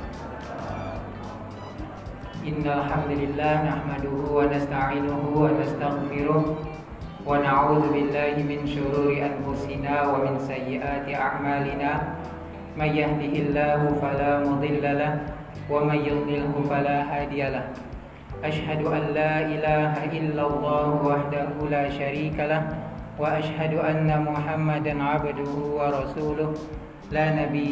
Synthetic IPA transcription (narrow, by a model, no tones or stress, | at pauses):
ʔɪnːalħamd̪alɪlːaːhnaħmad̪ʊhʊwanast̪aʕiːnʊɦʊwanast̪aɣfɪɾʊh | wanaʕuːðʊbɪlːaːhɪmɪnʃʊɾuːɾɪʔanfʊsɪnaːwamɪnsajːɪʔaːt̪ɪʔa̰ʕmaːlɪnaː | manjahd̪ɪhɪlːaːhʊfalaːmʊd̪ˤɪlːalah | wamanjʊd̪ˤlɪlhʊfalaːɦaːd̪ɪjalah | ʔaʃhad̪ʊʔanːaːʔɪlaːɦaʔɪlːalˤːɑːhʊwaħd̪ahʊlaːʃaɾiːkalahwaʔaʃhad̪ʊʔanːamʊħamːad̪anʕabd̪ʊhʊwɑɾˤɑsuːlʊh | laːnabi